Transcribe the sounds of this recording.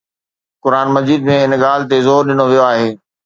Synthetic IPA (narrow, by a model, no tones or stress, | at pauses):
kʊɾaːnmɐd͡ʑiːd̪mẽɪnɠaːl̤ɪt̪̬ezɔːɾɗɪnoʋijoaːɦeː